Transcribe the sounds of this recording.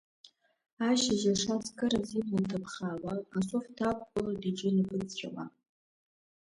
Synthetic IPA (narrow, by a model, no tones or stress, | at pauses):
aʃaʒaʂat͡skʼɨɾaziblɨntʰapʰχaːwaasʼoftʰakʷʼkʷʼʊladiʈ͡ʂɪnipʰʼɨt͡sʼt͡ʃʷʲʼᶣa̰ma